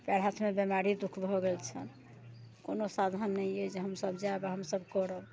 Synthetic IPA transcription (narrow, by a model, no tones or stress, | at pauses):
paɽɦat̪ʰmebjemaɾid̪ukʰbʱɔɡelt͡ʃʰən | konosad̪ʱənːɛjed͡ʒeɦəmsəbd͡ʒaebaɦəmsəbkɔɾəb